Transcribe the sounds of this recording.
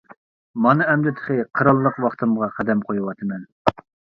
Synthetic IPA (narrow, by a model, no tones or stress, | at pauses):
mɑnɨɛmd̪ɪt̪ʰə̥χɨqʰəɾɑlˠːəqwɑχt̪ʰɨmʁɑqʰæd̪ɛmqʰojuwɑt̪ʰɨmɛn